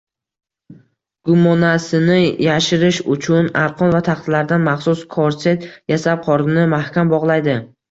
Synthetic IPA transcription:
ɡ̥ʊmɒnasɪnɪjaʃɪɾɪʃʊt͡ʃʰʊnaɾqʰɒnvat̪ʰaχt̪ʰɪlaɾd̪anmaχsʊskʰoɾset̪jasap̚qʰɒɾɪnɪmahkʲambɒʁlˠajd̪ɪ

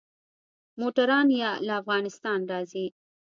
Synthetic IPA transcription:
moʈaɾɑnjɑlaːfɣɑnɪst̪ɑnɾɑzi

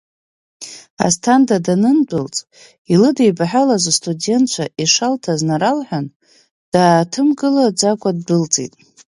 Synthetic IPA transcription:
a̰stʰandadanɨndʷɨlt͡sʼ | ilɨdejbaħʷalazstʰʼude̞ntt͡ʃʷʰaʔiʂaltʰaznaɾalħʷᶣan | d̥aːtʰɨmɡɨlad͡ʒakʷʼad̚dɨlt͡sʼḭtʼ

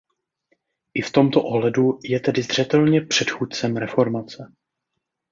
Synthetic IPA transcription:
ʔɪft̪o̞mt̪oʔoɦlɛdujɛt̪ɛdɪzr̝̥ɛt̪ɛlɲɛpr̥ɛt̪xuːt̪̚t͡sɛmɾɛfo̞ɾmat͡sɛ

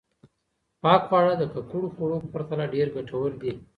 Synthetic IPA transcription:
pɑk̚pəaɽad̪əkakuɽoxoɽopəpaɾt̪alaɖeɾɡaʈawəɾd̪i

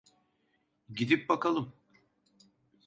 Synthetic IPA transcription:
ɟid̪ip̚bakalˠɯm

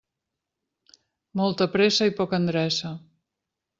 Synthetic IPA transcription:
mɔlˠt̪əpɾesəipɔkənd̪ɾɛsə

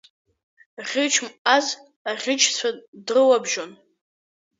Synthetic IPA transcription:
ʁʲɪt͡ʃʰmaz | aʁʲɪt͡ʃʰt͡sʷʰadrɨwabʒon

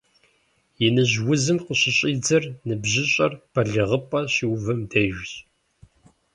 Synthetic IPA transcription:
jɪnɨʑwʊzɨmqəɕɪɕʼiːd͡zɐrnɨbʑɪɕʼɐrpʰɐɮɨʁəpʼɐɕiwvɨmdɐʒʷɕʼ

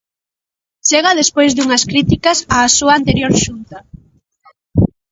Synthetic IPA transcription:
t͡ʃeɣaðespojzðuŋɐskɾit̪ikɐsaːsuaant̪eɾjoɾʃunt̪ɐ

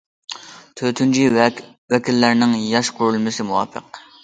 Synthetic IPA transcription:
t̪ʰøt̪ʰynt͡ʃʰi | wɛkʲilːæɾnɪŋjɑʃqʰʊɾulˠmɪsɪmuwɑ̰ːpʰə̰q

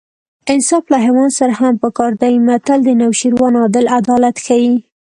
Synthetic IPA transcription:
ɪnsɑflaɦawɑnd̪saɾahampəkɑɾd̪aimat̪ald̪ənawʃiɾwɑnɑd̪ɪlad̪ɑlat̪xawi

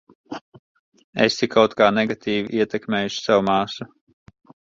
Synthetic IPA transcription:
ḛsikʰawt̪kaːneɡat̪ʰiːviʔiɛt̪ʲɛkmʲeːjuʃi̥sawumaːsu

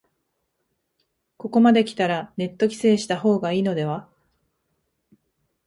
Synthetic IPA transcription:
ko̞ko̞mad̪e̞kʲi̥t̪aɾane̞t̪ːo̞kʲi̥se̞ːɕi̥t̪aɦo̞ːɡaiːno̞d̪e̞βa

